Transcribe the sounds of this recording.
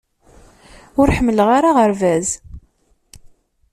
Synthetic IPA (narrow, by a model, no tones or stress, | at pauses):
ʊɾħəmːələʁaɾaʁəɾvæz